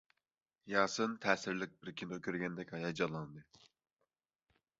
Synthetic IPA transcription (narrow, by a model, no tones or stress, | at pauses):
jɑːsɨnt̪ʰɛːsɪɾlɪk̚ʲbɪɾkʲʰind̪okʲøɾɡʲɛnd̪ɛkʲɑjɑd͡ʒɑlˠɑnd̪ɨ